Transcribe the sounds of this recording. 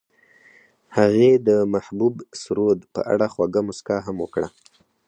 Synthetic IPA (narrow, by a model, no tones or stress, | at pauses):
haɣed̪əmahbubsɾod̪pə̰ʔa̰ɽaxwaɡamʊskaɦamwəkɽa